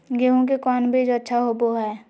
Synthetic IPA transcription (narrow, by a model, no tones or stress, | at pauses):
ɡeɦõk̬ekɔːnbʱid͡ʒoɐtːʃʰaɦoboɦɛː